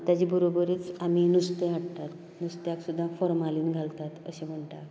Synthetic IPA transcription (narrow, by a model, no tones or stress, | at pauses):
t̪jad͡ʑibəɾobəɾiːt͡saminust̪eaʈt̪at̪ | nust̪jaksud̪ʱːãfɔɾmaliːnɡʱalt̪at̪əɕem̤əɳt̪a